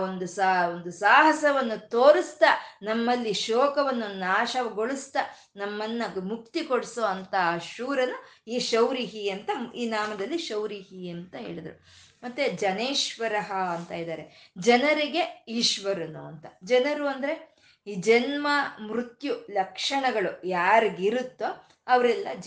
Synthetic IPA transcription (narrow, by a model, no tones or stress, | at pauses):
ond̪usond̪usaːɦɐsɐʋɐnːut̪oːɾist̪ɐnɐmːɐlːiʃoːkɐʋɐnːunːaːʃɐʋɐɡoɭist̪ɐ | nɐmːɐnːɐmuk̚t̪ikoɽsoːɐnt̪ɐʃuːɾɐnuiːʃɐwɾiɦiɐnt̪ɐiːnaːmɐd̪ɐlːiʃɐwɾiɦiɐnt̪ɐɦḛːɭid̪ɐɾṵ | mɐt̪ːed͡ʒɐneːʃʋɐɾɐɦɐɐnt̪ɐid̪aːɾed͡ʒɐnɐɾiɡe̞iːʃʋɐɾɐnuɐnt̪ɐd͡ʒɐnɐɾuːɐnd̪ɐɾe̞ | iːd͡ʒɐnmɐmɾut̪julɐkʂɐɳɐɡɐɭujaːɾiɡiɾut̪ːo | ɐʋɐɾɛlːɐd͡ʒ